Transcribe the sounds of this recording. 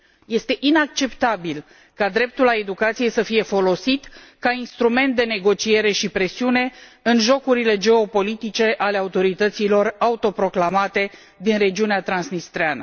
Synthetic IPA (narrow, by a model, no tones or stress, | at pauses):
je̞st̪e̞ʔinak̚t͡ʃe̞pt̪abil | kad̪ɾe̞p̚t̪ulae̞d̪ukat̪sije̞səfije̞fo̞lo̞sit̪kainst̪ɾume̞nt̪̚d̪e̞ne̞ɡo̞t͡ʃie̞ɾe̞ʃipɾe̞siune̞ɨnʒo̞kuɾile̞d͡ʒe̞o̞po̞lit̪it͡ʃe̞ʔale̞aut̪o̞ɾit̪ət̪silo̞raut̪o̞pɾo̞klamat̪e̞ | d̪inɾe̞d͡ʒiuneat̪ɾansnist̪ɾeanə̰